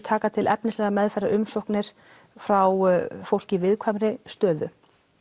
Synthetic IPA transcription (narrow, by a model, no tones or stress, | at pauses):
t̪ʰaːkat̪ʰɪlʔɛpnɪslɛɣamɛðfɛraʔʏmsowhknɪɾ̥ | fɾawfowl̥cɪvɪðkʰvajmɾɪst̪œːðʏ